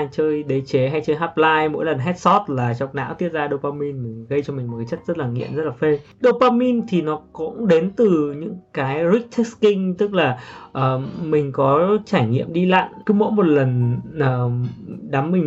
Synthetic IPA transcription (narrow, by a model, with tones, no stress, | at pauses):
t͡ɕəː˧jɗe˨˦t͡ɕe˨˦ɦa˧jt͡ɕəː˧jɦaː˦˥p̚laː˧jmo̰˧˥jlə˨˩nɦɛ˦˥t̚sɔ˦˥t̚laː˨˩t͡ɕɔ˨˩wk͡p̚na̰ː˧˥wt̪i˦˥ət̚zaː˧ɗo˧paː˧mi˧nmï˨˩ŋ̟ɣə˧jt͡ɕɔ˧mï˨˩ŋ̟m̚˨˩ka˨˦jt͡ɕə˦˥t̚zə˦˥t̚laː˨˩ŋḭ˧ənzə˦˥t̚laː˨˩fe˧ | ɗo˧paː˧mi˧nt̪ʰi˨˩nɔ˨˦kʊ̰˧˥ŋ͡mɗe˨˦nt̪ɨ˨˩ɲɨ̰˧˥ŋkaː˨˦jzi˦˥k̚t̪ʰɛ˦˥k̚skï˧ŋ̟t̪ɨ˦˥k̚laː˨˩ʔəː˨˩mï˨˩ŋ̟kɔ˨˦t͡ɕaː˧˩jŋḭ˧˨əmɗi˧la̰ː˧˨ŋkɨ˨˦mo̰˧˥jmo˨˩t̚lə˨˩nʔəː˨˩ɗa˨˦mmï˨˩ŋ